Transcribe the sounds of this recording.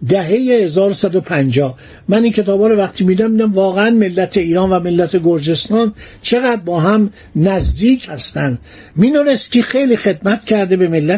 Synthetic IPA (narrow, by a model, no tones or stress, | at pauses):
d̪æɦe̞jehezɒːɾosæd̪opʰænd͡ʒɒː | mæniːncʰe̞t̪ʰɒːbɒːɾovæqt̪ʰiːmid̪æmid̪æmvɒːɣeænme̞lːæt̪ʰeiːɾɒːnvæme̞lːæt̪ʰeɡo̞ɾd͡ʒe̞st̪ɒːn | t͡ʃʰe̞ɣæd̪̚bɒːɦæm | næzd̪iːcʰhæst̪ænd̪ | minoɾest̪cʲixejliːxe̞d̪mæt̪cʰæɾd̪ebe̞me̞lːæ